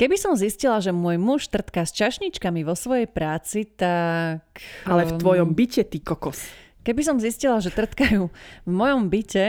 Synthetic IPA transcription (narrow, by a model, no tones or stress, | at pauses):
kɛbisɔmziscilaʒɛmʊɔːjmuʃt̪r̩t̪kast͡ʃaʃɲit͡ʃkamiʋɔsʋɔjɛjpɾaːt͡sit̪akalɛfʋɔjɔmbicɛt̪ikɔkɔs | kɛbis̬ɔmziscilaʒɛt̪r̩t̪kajuːvmɔjɔmbicɛ